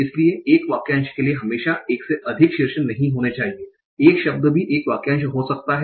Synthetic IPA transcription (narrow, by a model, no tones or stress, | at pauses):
ɪslieeːkʋaːkjãːnʃkelieɦɐmeːʃaeːkseʔɐd̪ʱɪkʃɪɾʃənːɐɦĩɦoːnet͡ʃaːɦieː | eːkʃɐb̚d̪bʱiʔeːkʋaːkjãnʃɦosɐk̚t̪aɦɛ